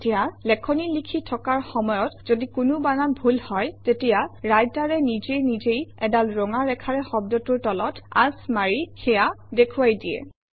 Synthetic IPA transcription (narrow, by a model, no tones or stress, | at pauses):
tijalɛkʰɔnilikʰitʰɔkaɹxɔmɔjɔtz̥odikʊnʊbanabʱulhɔjtetijaɹajtaɹɛnizejnizejɛdalɹɔŋaɹɛkʰaɹɛxɔb̚dɔtʊɹtɔlɔta̰smaɹixɛjadekʰʊwajdiɛ̰